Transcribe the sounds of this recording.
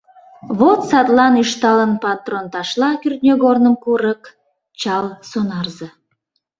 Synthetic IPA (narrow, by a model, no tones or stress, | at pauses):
βot̪sɑt̪lɑnyʃt̪ɑlənpɑt̪ront̪ɑʃlɑkyrt̪̚nʲøɣornəmkuɾək | t͡ɕɑlsonɑrzə